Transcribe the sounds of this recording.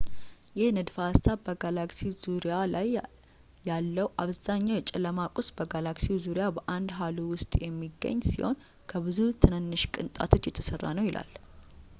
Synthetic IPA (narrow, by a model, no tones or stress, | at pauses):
jɛhnɨd̪fast̪ʰabəɡalaksizuɾijalajː | alːəwʔaβz̥aɲːawjɛt͡ʃʼɪləmakʼusbəɡalaksizuɾjabəʔand̪ɦaluwʊst̪ʼjɛmːiɡːə̰ɲːsiho̞̰n | kʰəbɨzut̪ʰɨnɨnːɨʃkʼɨnt̪ʼa̰t̪ʰo̞t͡ʃːjɛt̪ʰə̥sərːa̰nəwjilʔa̰l